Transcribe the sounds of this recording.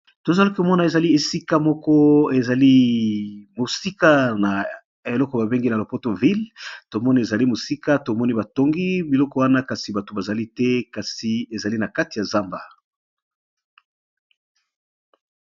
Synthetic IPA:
to˨za˦lo˦kmɔ˦na˨e˨za˨li˦e˨si˦ka˦mɔ˦kɔ˦e˨za˨li˦ | mo˨si˦ka˦na˨ | e˨lɔ˦kɔ˨ba˨be˦ŋɡi˦na˨lo˨po˦to˨vi˦lto˨mɔ˦ni˦e˨za˨li˦mo˨si˦ka˦to˨mɔ˦ni˦ba˨to˨ŋɡi˦bi˨lɔ˦kɔ˦wa˦na˦ka˨si˨ba˨to˨ba˨za˨li˦tɛ˦ka˨si˨e˨za˨li˦na˨ka˦ti˨ja˨za˦mba˨

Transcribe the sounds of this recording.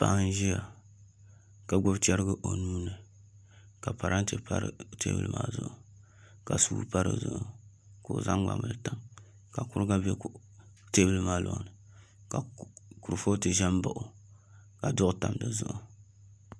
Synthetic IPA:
pa˨ʔn˦ʒi˦ja˨ | ka˨ɡ͡bo˦bt͡ʃɛ˦ɾɨ˦ɡɨ˦ʔo˨nuː˦nɨ˨ | ka˨pa˨ɾa˦n˦te˦pa̰˦ɾɨ̰˨tḛ˦bɨ̰˦lɨ̰˦maː˦zʊ̰˨ʔʊ˨ | ka˨suː˦pa˦ɾɨ̰˨zʊ̰˨ʔʊ˨ | ko˨za˦ŋɡ͡ba̰˨mɨ˨lta˦ŋ | ka˨kʊ˦ɾɨ˦ɡa˦bɛ˦k | te˦bɨ˦lɨ˦maː˦lʔɔ̰˨nɨ˨ | ka˨ku˨ɾfo˦tɨ˨ʒɛ˦m˦ba˨ʔʊ˨ | ka˨dʊ˦ʔʊ˦ta˨m˨dɨ˨zʊ̰˦ʔʊ˨

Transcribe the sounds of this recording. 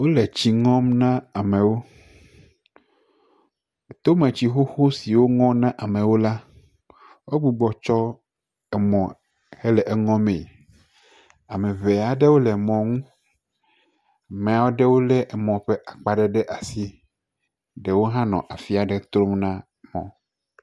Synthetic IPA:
wo˦lɛ˨t͡ɕi˨ŋɔ̃˦mnã˦a˨mẽ˨wo˦˨ | t̪o˦mẽ˨t͡ɕi˨xo˦xo˦si˨wo˦ŋɔ̃˦nã˦ʔa˨mɛ̃˨wo˦la˦ | wo˦ɡ͡bu˦ɡ͡bɔ˨t͡ʃɔ˦ | ɛ˨mɔ̃˨ | hɛ˦lɛ˨ʔɛ˨ŋɔ̃˦mẽ˨ | a˨mɛ̃˨ve˨a˨ɖɛ˦wo˦lɛ˨mɔ̃˨ŋũ˦˨ | mẽ˨a˨wo˦ɖɛ˦wo˦lɛ˦ʔɛ˨mɔ̃˨ɸɛ˦ʔa˨k͡pa˦ɖɛ˦ɖɛ˦ʔa˨si˦ | ɖe˨wo˦ɦã˦nɔ̰̃˨ʔa˨fi˦a˨ɖɛ˦t̪ɾo˦mnã˦ | mɔ̰̃˨

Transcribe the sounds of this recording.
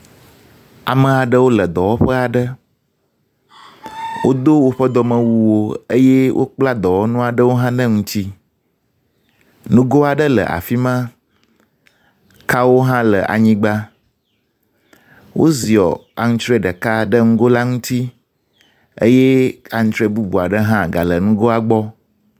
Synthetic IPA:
a̰˨mə̃˨a˨ɖə˦wo˦lə˨d̪ɔ˨wɔ˦ɸə˦a˨ɖə˦ | wo˦d̪o˦wo˦ɸə˦d̪ɔ˨mə̃˨wu˦wo˦ə˦je˦wʔo̰˦k͡pla˦d̪ɔ˨wɔ˦nũ˦a˨ɖə˦wo˦ɦã˦nɛ̃˦ŋũ˦t̪i˦ | nũ˦ɡo˦a˨ɖə˦lə̰˨ʔa̰˨fi˦mã˦ | ka˦wo˦ɦã˦lə̰˨ʔa̰˨ɲĩ˦ɡ͡ba˦ | wo̰˦zi˨ɔ̰˨a̰˨ŋũ˦t͡ʃ̪ɾe˦ɖə˨ka˦ɖə˦ŋũ˦ɡo˦la˦ŋũ˦t̪i˦ | ḛ˦jɛ˦a˨ŋũ˦t̪ɾe˦bu˦bu˨a˨ɖə˦ɦã˦ɡa˨lə˨nũ˦ɡo˦a˨ɡ͡bɔ˦

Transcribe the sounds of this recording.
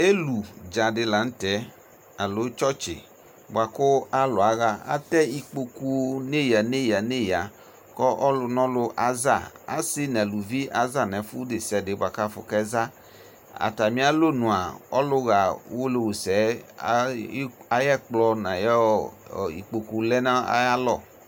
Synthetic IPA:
e˦lu˨d͡ʒa˨dɪ˧la˨n̩˦tɛ˨˦ | a˨lo˨˦t͡ʃɔ˦t͡ʃɪ̰˨ | ba˨kʊ˦a˦lʊ˨a˨ɣa˦a̰˦tɛ˦i˦k͡po˧ku˦ne˦ja˨ne˦ja˨ne˦˨ja˨ | kɔ˦ʔɔ˦lʊ˧nɔ̃˦lʊ˧ʔa˨za˦˨a̰˦si˦nɛ˨lu˨vi˦ʔa˨za˦˨nɛ˨fu˦de˨sɛ˨de˨˦ba˨ka˦fʊ̰˨kɛ˦za˦ | a̰˨ta˨mĩ˨˦a˦lo˦nũ˨a˨ɔ˦lʊ˦ɣa˨˦wo˦le˨wo˨sɛ˨˦˨ | a˨jɛ˦˨k͡plɔ˧na˨jɛ˦˨ḭ˨k͡po˨ku˨lɛ˦na˦a̰˦ja˦lɔ˦˨

